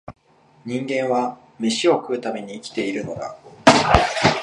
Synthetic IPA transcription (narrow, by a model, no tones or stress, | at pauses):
ɲ̟ĩŋɡẽ̞ɰ̃βa | mʲiɕio̞kɯ̟ɯ̟t̪ame̞ɲ̟iːkʲi̥t̪e̞iɾɯ̟no̞ɡ̪a̰